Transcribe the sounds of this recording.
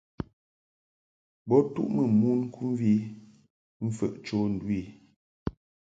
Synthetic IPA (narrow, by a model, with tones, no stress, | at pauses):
bɔ˦tṵ˦ʔmə˨mu˦nŋ̩˦kʰu˦m˦vi˦ | m̩˦fə̰˨ʔt͡ʃo˦n̩˨dwi˦˨